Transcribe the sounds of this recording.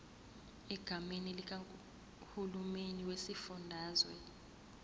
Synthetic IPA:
ɛɡ̥ʱamenilik̬ʼa | hulumeniwesifundʱaːzwɛ

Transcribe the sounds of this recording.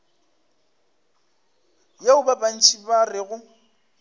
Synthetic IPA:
jaʊbabʼan̩t͡ʃʰʼibarɪɣʊ

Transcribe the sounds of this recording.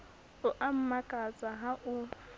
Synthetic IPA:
ʊʔam̩makʼat͡sʼaɦaʔʊ

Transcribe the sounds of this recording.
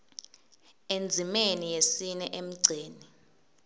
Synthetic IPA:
end͡zʱimenijesinɛʔem̩ɡ͡ǀʱeːni

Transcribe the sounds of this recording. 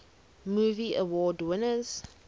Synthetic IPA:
muːviʔəwɔːdwɪnəz̥

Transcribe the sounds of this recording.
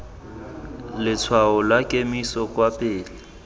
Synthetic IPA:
lɪt͡sʰwaʊlakʼemisɔkʼwapʼɪːlɪ

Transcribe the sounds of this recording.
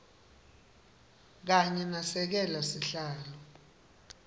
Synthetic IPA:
k̬aɲɛnasɛk̬ɛlasiɬaːlɔ

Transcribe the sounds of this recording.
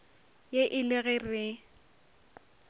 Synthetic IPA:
jeʔɪlɪɣɛrɪ

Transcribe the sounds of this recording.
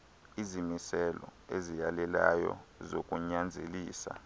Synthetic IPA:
izimisɛlɔezijalɛlajɔ̰zokʼuɲand͡zʱeliːsa̰

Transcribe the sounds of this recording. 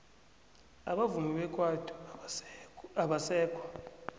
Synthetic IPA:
aɓavumiɓɛkʼwadʰʱʼu | aɓasɛːkʰʼwa

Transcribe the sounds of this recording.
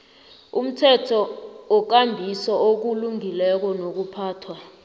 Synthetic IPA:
ṵm̩tʰɛtʰɔɔk̬ambʱisɔok̬uluŋʱilɛk̬ɔnok̬upʰaːtʰwa

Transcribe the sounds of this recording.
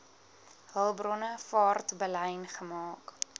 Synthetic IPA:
ɦəlˠbrɔnəfɑːrtbəlɛjnχəmɑːk

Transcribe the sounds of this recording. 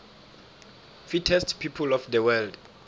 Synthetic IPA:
fitʰɛstpʰipʰulɔfdɛwɛld

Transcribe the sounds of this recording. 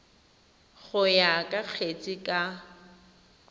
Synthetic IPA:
ɣʊjakʼak͡xʰet͡sʼɪkʼa

